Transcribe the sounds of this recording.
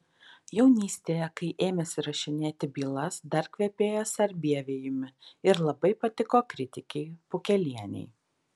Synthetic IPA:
jɛʊnʲiːsʲt̪ʲeːjɛkɐɪʔeːmʲɛsʲɪɾɐʃʲɪnʲeːt̪ʲɪbʲiːlˠɐsd̪ɐɾkʋʲɛpʲeːjoːsɐɾʲbʲiɛʋʲeːjɪmʲɪɪɾlˠɐbɐɪpɐt̪ʲɪkoːkɾʲɪt̪ʲɪkʲɛɪpʊkʲɛlʲiɛnʲɛ̰ɪ

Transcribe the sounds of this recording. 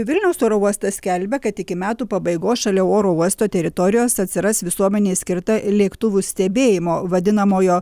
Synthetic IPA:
ʋʲɪlʲnʲɛʊsoːɾoːuɔst̪ɐsʲkʲɛlʲbʲɛkɐt̪ɪkʲɪmʲæːt̪uːpɐbɐɪɡoːsʃɐlʲɛoːɾoːuɔst̪oːt̪ʲɛɾʲɪt̪ɔɾʲɪjoːsɐt̪ʲsʲɪɾɐsʋʲɪsuɔmʲɛnʲeːsʲkʲɪɾt̪ɐlʲiɛkt̪ʊʋʲuːsʲt̪ʲɛbʲeːjɪmoːʋɐd̪ʲɪnɐmoːjoː

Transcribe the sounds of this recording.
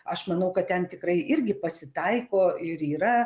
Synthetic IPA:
ɐʃmɐnɐʊkɐt̪̚t̪ʲɛnt̪ʲɪkɾɐɪʔɪɾʲɡʲɪpɐsʲɪt̪ɐɪkoːɪɾiːɾɐ

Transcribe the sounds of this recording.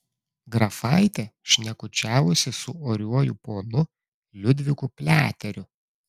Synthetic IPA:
ɡɾɐfɑɪt̪ʲeʃʲnʲɛkʊt͡ʃʲæːʋʊsʲɪsʊoːɾʲuɔjʊpoːnʊ | lʲʊd̪ʲʋʲɪkʊpʲlʲæːt̪ʲɛɾʲʊ

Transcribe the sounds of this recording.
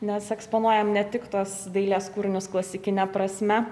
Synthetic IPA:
nʲɛsɛkspoːnuɔjɛmnʲɛt̪ʲɪkt̪oːsd̪ɐɪlʲeːskuːɾʲɪnʲʊsklˠɐsʲɪkʲɪnʲɛpɾɐsʲmʲɛ

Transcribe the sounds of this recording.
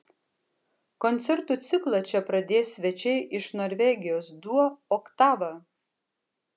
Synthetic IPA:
kɔnʲt̪sʲɛɾt̪uːˑt̪sʲɪklˠɐt͡ʃʲɛpɾɐd̪ʲeːsːʲʋʲɛt͡ʃʲɛɪʔɪʃnoːɾʲʋʲɛɡʲɪjoːsd̪uɔoːkt̪ɑːʋɐ

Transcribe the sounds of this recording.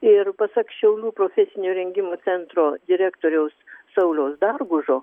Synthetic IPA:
ɪrpɐsɐkʃʲɛʊlʲuːpɾoːfʲɛsʲɪnʲoːɾʲɛŋʲɡʲɪmuːt͡s̪ʲɛnt̪ɾoːd̪ʲɪɾʲæːkt̪oːɾʲɛʊssɐʊlʲɛʊsd̪ɐrɡʊʒoː

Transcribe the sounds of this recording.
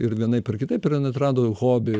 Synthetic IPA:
ɪɾʋʲiɛnɐɪpʲɐrkʲɪt̪ɐɪpɪɾnɐt̪ɾɑːd̪oːɣoːbʲɪ

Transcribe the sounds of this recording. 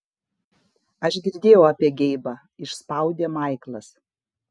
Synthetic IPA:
ɐʒɡʲɪɾʲd̪ʲeːjɛʊɐpʲiɛɡʲɛɪbɑ | ɪʃspɐˑʊd̪ʲeːmɐˑɪklˠɐs

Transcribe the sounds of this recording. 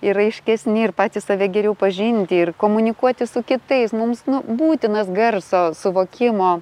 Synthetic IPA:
ɪɾɐɪʃʲkʲɛsʲnʲɪɪrpɑːt̪ʲɪsɑːʋʲɛɡʲɛɾʲɛʊpɐʒʲɪnʲt̪ʲɪɪrkoːmʊnʲɪkuɔt̪ʲɪsʊkʲɪt̪ɐɪsmʊmsnʊbuːt̪ʲɪnɐsɡɐrsoːsʊʋoːkʲɪmoː

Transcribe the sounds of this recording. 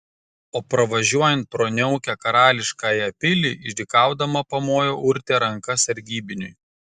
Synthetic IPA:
oːpɾɐʋɐʒʲuɔjɛnt̪̚pɾoːnʲɛʊkʲæːkɐɾɑːlʲɪʃkaːjɐpʲɪlʲɪɪʒʲd̪ʲɪkɑˑʊd̪ɐmɐpɐmoːjoːʔʊɾʲt̪ʲeːɾɐŋkɐsɐɾʲɡʲiːbʲɪnʲʊj

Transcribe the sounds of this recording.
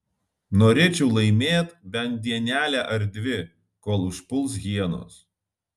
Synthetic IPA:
noːɾʲeːt͡ʃʲɛʊlˠɐɪmʲeːt̪bʲɛnt̪̚d̪ʲiɛnʲæːlʲæːʔɐɾd̪ʲʋʲɪ | koːlˠʊʃpʊlˠs̬ɣʲiɛno̰ːs

